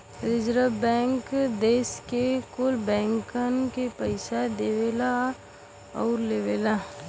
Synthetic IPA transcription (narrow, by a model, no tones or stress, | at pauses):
ɾɪd͡ʒɾəbɛ̃ːŋkd̪eːskekʊlbɛ̃ːŋkənkepəɪsad̪eːʋela | ɔːɾleʋeːla